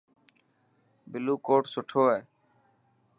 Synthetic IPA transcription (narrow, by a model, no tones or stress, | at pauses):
bɪluːkoːʈsʊʈʰoːɦeː